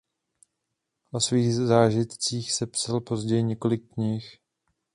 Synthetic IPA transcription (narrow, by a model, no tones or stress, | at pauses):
ʔosviːɣzaːʒɪt̪t͡siːxsɛpsalpo̞zɟɛjɪɲɛko̞lɪkːɲɪx